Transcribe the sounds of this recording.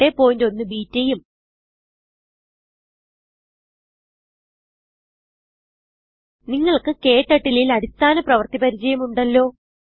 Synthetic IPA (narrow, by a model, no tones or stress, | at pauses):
e̞po̞ːjndo̞nːɨbiːtːejum | niŋːɐɭkɨke̞ːʈːɐʈːililɐɾist̪ʰaːnɐprɐʋɐrt̪ipɐɾid͡ʑɐjɐmuɳɖɐlːo̞ː